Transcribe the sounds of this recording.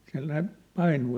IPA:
siæ̝l ne pɑinuː

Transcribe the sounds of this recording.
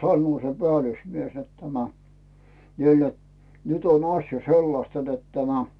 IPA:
sɑnːŭo se pĕælusmies net tæmæ niːl net nyt on ɑsjɑ selːɑstɑ net tæmæ

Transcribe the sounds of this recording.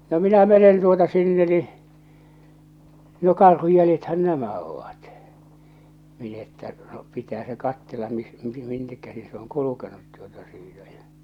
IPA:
no minæ menen tuotɑ sinːe ni no kɑrhuj jæljethæn næmæ oʋɑt min etːæ no pitæː se kɑtːelːɑ mis minːek kæsi se oŋ kulukenut tuotɑ siːtæ j̊æ̥

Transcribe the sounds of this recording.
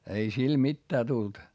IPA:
ei sil mitːæː tult

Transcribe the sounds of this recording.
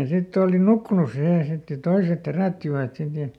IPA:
jɑ sitː oːli nukːunus siheˑ sit jɑ toiset heræˑtːiʋæt sit jɑ

